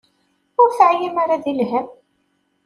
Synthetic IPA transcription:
ʊɾθəʕjimaɾaðilɦæm

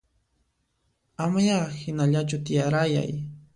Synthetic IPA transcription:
amajahɪnaʎat͡ʃʊt̪ɪjaɾaja̰j

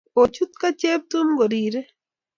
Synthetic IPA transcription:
ot͡ʃut̪kat͡ʃeːp̚t̪umɡoɾiːɾe

